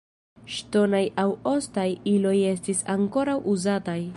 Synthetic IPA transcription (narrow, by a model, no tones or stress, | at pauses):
ʃto̞najawo̞stajilo̞je̞s̬tisaŋko̞ɾawʔuzataj